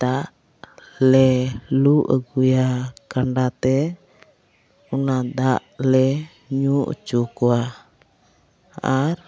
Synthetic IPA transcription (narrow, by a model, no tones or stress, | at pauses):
d̪aʔ | lɛluʔəɡujakaɳɖat̪ɛ | unad̪aʔlɛ | ɲuʔt͡ʃukua | aɾ